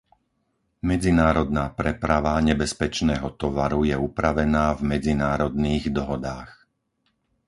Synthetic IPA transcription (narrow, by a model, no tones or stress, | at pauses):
mɛd͡zinaːɾɔd̪̚naːpɾɛpɾaʋaɲɛbɛspɛt͡ʃnɛːɦɔt̪ɔʋaɾujɛupɾaʋɛnaːvmɛd͡zinaːɾɔd̪niːɣd̪ɔɦɔd̪aːx